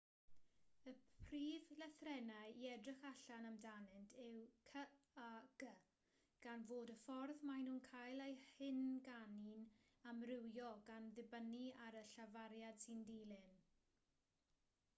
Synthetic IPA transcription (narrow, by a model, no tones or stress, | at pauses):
əriːvləθrɛnajiɛdrɪχaɬanamdanɨntʰɪwkʰəaɡ̥ə | ɡ̥anvoːdəfɔrðmajnuːnkʰajlˠejhɪnɡanin | amrɪwjɔɡanðɪbəniaɾəɬavaɾjad̥sindilˠɪn